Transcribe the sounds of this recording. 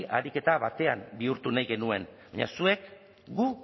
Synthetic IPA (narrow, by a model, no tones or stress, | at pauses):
ʔaɾike̞t̪aβat̪e̞ambiuɾt̪unajɣe̞nue̞nba̰ɲa̰sue̞k | ɡu